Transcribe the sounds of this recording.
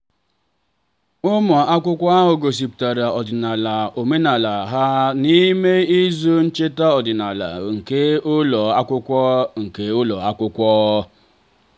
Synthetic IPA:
ʊ˦mɔ˨a˦kʷʊ˦kʷɔ˦a˦ɦʊ˨ɡo˨s̬i˨pta˨ɾa˨ɔ˨dɪ˨na˨la˨o˨me˦na˨la˨ɦa˦ni˦me˦i˦zo˦n̩˦t͡ʃe˦ta˦ɔ˨dɪ˨na˨la̰˨ŋ̩˨ke˦ʊ˦lɔ˨a˦kʷʊ˦kʷɔ˦ŋ̩˨ke˦ʊ˦lɔ˨a˦kʷʊ˦kʷɔː˦

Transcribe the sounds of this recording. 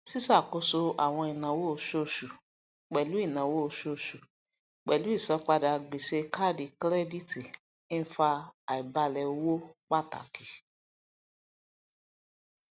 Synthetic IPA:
si˦sa˦˨ko˧˦so˧a̰˨w̃ɔ̃˧i˨nã˨wo˦o˧˨ʃo˦˨ʃu˨ | k͡pɛ˨lu˨˦i˦˨nã˨wo˦˧ʃo˨ʃu˨ | k͡pɛ˨lu˨˦i˦˨sɔ˨˦k͡pa˧da˨˧ɡ͡be˨ʃe˧ka˦di˨kɾɛ˦di˦˨ti˨ | ĩ˦fa˧a˨i˨ba˧lɛ˧o˧wo˦k͡pa˦˨ta̰˨ki˨˦

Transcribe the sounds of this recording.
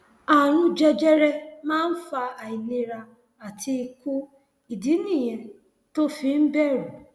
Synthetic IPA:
a˨ɾʊ̃˦d͡ʒe˨d͡ʒe˦ɾe˦mã˦n̩˦fa˧a˨i˨ni˦ɾa˧ | a˨tʰi˦˧ku˦ | i˨di˨˦ni˦˨je˨ | to˦fi˨m̩˦be˦˨ɾu˨

